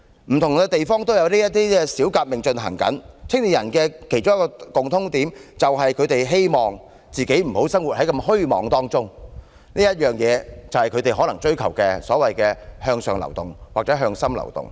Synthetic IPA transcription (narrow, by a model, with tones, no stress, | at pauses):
m̩˨˩t̪ʰʊ˨˩ŋkɛː˧t̪e˨jfɔː˥ŋt̪o˥wjɐ˨˧wliː˥jɐ˥t̪̚iː˥kɛ˧siː˨˥wkaː˧p̚mɪ˨ŋt͡ʃɵ˧nɦɐ̰˨˩ŋkɐ̰˨˥nt͡sʰɪ˥ŋliː˨˩jɐ˨˩nkɛː˧kʰe˨˩jt͡ʃʊ˥ŋjkɔː˧kʊ˨ŋt̪ʰʊ˨˥ŋt̪iː˨˥mt͡sɐ˨wɦɐ˨jkʰɵ˨˧ɥt̪e˨jɦe˥jmɔː˨ŋ | t͡siː˨ke˨˥jm̩˨˩ho˨˥wsɐ˥ŋwu˨t̚hɐ˨˥jkɐ˧mɦɵ˥ɥmɔː˨˥ŋt̪ɔː˥ŋt͡sʊ˥ŋ | niː˥jɐ˥t̚jœː˨ŋjɛː˨˧t͡sɐ˨˩whɐ˨jkʰɵ˨˧t̪e˨jɦɔː˨˥lɐ˨˩ŋt͡ʃɵ˥ɥkʰɐ˨˩wkɛː˧sɔ̰ː˨˥wɐ˨jkɛː˧hœː˧ŋsœː˨ŋlɐ̰˨˩wt̪ʊ˨˩ŋwaː˨k̚t͡sɛː˨˥ɦœː˧ŋsɐ˥mlɐ̰˨˩wt̪ʊ̰˨˩ŋ